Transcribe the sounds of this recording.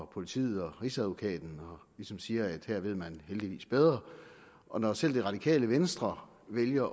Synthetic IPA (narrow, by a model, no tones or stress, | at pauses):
ɒpʰo̝lit͡sʰḭːð̩ˠɒ̽ʁiːsæðʋo̝kʰɛ̰ːd̥n̩ɒ̽lisɒ̽msiːɐæd̥heɐ̰ʋe̝ð̞̰ˠmænheld̥iʋḭːsb̥eð̞ˠʁɐ | ʔɒ̽nɒsel̰d̥e̝ʁɑd̥ikʰɛ̰ːləʋensd̥ʁɐ | ʋeljɐ